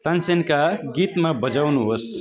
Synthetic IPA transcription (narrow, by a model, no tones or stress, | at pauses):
t̪ansenkaɡit̪mabʌd͡zawnuɦos